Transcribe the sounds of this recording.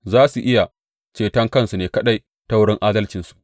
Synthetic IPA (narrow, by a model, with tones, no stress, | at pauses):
zaː˦su˨ʔɪ˦ja˨ | t͡ʃeː˨tɐ˦ŋkɐ˦nsu˨neː˨kɐ˦ɗa˦˨j | ta˦wɽɪ˦ŋʔaː˦dɐ˦lt͡ʃɪ˨nsu̥˨ʔ